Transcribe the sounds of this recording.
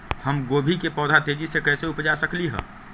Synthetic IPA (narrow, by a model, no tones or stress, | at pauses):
həmɡoːbʱikepɔːd̪ʱat̪eːd͡ʒisekɛːseʊpd͡ʒasəkliɦɛ̰̃ː